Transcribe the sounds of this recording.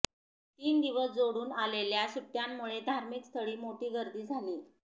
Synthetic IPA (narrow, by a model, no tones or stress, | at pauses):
t̪iːnd̪iʋəsd͡zoɽuːnaleljasuʈːjamːuɭed̪ʱaɾmikst̪ʰəɭiːmoʈiːɡəɾd̪iːd͡zʱaliː